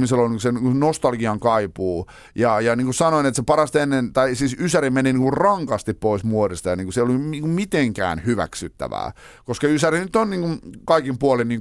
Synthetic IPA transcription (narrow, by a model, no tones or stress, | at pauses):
miselolniːŋkusenikunost̪ɑlɡiɑŋkɑipuː | jɑjɑniːŋkussɑnoinet̪sepɑrɑst̪enːent̪ɑisiːsysærimeniniːŋkurrɑŋkɑst̪ippoismuodist̪ɑjɑniːŋkuseiolujmiːŋkummit̪eŋkæ̰ːnhyʋæ̰ksyt̪ːæ̰ʋæ̰ː | koskɑysærinyt̪ːonniːŋkunkɑikimpuolinniːŋ